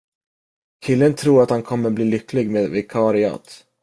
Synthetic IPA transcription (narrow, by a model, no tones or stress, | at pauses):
kʰɪlːənt̪ʰɾuːɾat̪hankʰɔmːəbliːlʏkːlɪɡmeːd̪vɪkʰɑɾɪɑ̰t̪